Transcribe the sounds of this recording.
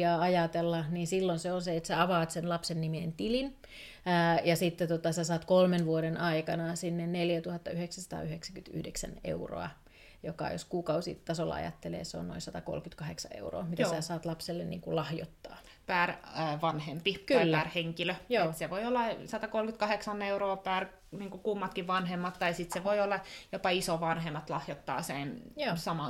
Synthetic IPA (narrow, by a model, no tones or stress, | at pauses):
ɑːɑjɑt̪elːɑniːnsilːonseonseet̪sæɑʋɑːt̪senlɑpsenːimiːnt̪ilinː | jɑsit̪ːet̪ot̪ɑsæsɑːt̪kolmenʋuoɾenʔɑikɑnɑsinːenneljæt̪uhɑt̪ːɑyheksæsɑ̥t̪ɑ̰ːyheksækyt̪y̰hdeksæ̰nḛuro̰ɑ̰ | jokɑ̰jo̰skuːkɑusḭt̪ɑsolːɑ̰ɑ̰jɑ̰t̪ːelḛːseo̰nno̰insɑt̪ɑko̰lkyt̪kɑheksɑḛuro̰ːmit̪æssæːsɑːt̪lɑpselːennḭːŋkulɑhjo̰t̪ːɑ̰ː | pæːrʋɑnhempikylːærheŋkiløjoːt̪seʋoiolːɑsɑt̪ɑkolkyt̪kɑheksɑneuɾoːpæːr | niːŋkukumːɑt̪kiʋʋɑnhemːɑt̪t̪ɑisit̪seʋoiolːɑjopɑisoʋɑnhemːɑt̪lɑhjot̪ːɑ̰ːsenjoːsɑmɑ